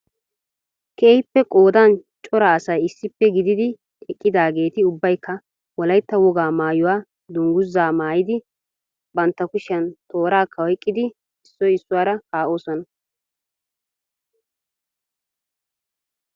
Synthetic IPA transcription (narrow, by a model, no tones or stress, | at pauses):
keːhɪpːɛkʼo̞ːd̪ant͡ʃʼɔɾɐːsɐjɪsːɪpːɛɡɪd̪ɪd̪ɪ | ɛkʼːɪd̪aːɡe̞ːt̪ɪʊbːɐjkːɐ | wɔlɐjt̪ːɐwɔɡaːmaːjʊwaː | d̪ʊŋɡʊzːaːmaːjɪd̪ɪ | bɐnt̪ːɐkʊʃɐnt̪o̞ːɾaːkʰːɐwɛkʼːɪd̪ɪ | ɪsːɔjɪsːʊwaːɾɐkaːʔo̞ːsɔnɐ